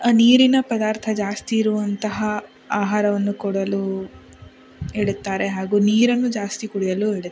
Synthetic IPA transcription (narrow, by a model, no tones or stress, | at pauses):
niːɾinɐpɐd̪aːɾt̪ʰɐd͡ʒaːst̪iːɾuʋɐnt̪ɐɦɐ | aːɦaːɾɐʋɐnːukɔɽɐlu | eɽut̪ːaːɾe̞ɦaːɡuːniːɾɐnːud͡ʒaːst̪ikuɽijɐlueɽut̪ː